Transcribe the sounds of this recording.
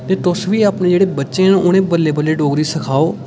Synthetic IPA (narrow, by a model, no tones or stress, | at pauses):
t̪eːt̪ʊsʋiːaːpnẽːd͡ʒeːɽeːbətːʃẽːnãʔʊɽ̃ẽːbəlːeːbəlːeːɖoːɡɾiːsəkʰaːoː